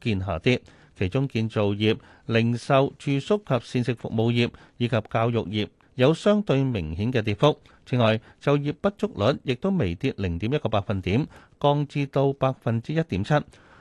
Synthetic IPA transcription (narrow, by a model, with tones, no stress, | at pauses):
kiː˧nɦaː˨˩t̪iː˥ | kʰe˨˩jt͡ʃʊ˥ŋkiː˧nt͡so˨wjiː˨p̚ | lɪ˨˩ŋsɐ˨wt͡ʃyː˨˧sʊ˥kʰɐ˨p̚siː˧nsɪ˨k̚fʊ̰˨k̚mo˨˧wjiː˨˩p̚ | jiː˨˧˥kʰɐ˨p̚kaː˧wjʊ˨k̚jiː˨p̚ | jɐ˨˧wsœː˥ŋt̪ɵ˧ɥmɪ˨˩ŋhiː˨˥nkɛː˧t̪iː˨˩t̚fʊ˥k̚ | t͡sʰiː˨˥ŋɔː˨j | t͡sɐ˨wjiː˨˩p̚pːɐ˥t̚t͡sʊ˥k̚lɵ˨˥njɪ˨k̚t̪o˥wme˨˩jt̪iː˧˥t̚lɪ˨˩ŋt̪i˨˥mjɐ˥t̚kɔː˧paː˧k̚fɐ˨nt̪iː˨˥m | kɔː˧ŋt͡siː˧t̪o˧wpaː˧k̚fɐ˨nt͡siː˥jɐ˥t̚t̪iː˨˥mt͡sʰɐ˥t̚